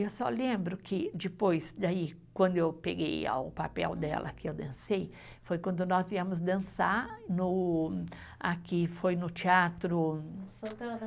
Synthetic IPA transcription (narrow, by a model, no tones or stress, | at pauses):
ewsɔ̰lẽmbɾʊkɪd͡ʒ̪ɪpojsd̪ai | kwɐ̃nd̪ʊewpeɡeja̰ʊpapɛ̰wd̪ɛ̰lʔɐ̰kɪewd̪ɐ̃sej | fojkwɐ̃nd̪ʊnɔziɐ̃mʊzd̪ɐ̃sanʊ | akɪfojnʊt͡ʃiat̪ɾʊ